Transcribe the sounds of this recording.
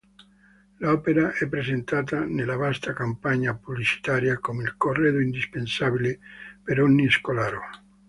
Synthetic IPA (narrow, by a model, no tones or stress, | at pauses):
laɔpeɾaʔɛpːɾesent̪at̪anelaβast̪akampaɲapuβlit͡ʃi̥t̪aɾjakomilkoreðoind̪ispensaβilepeɾonːieskolaɾo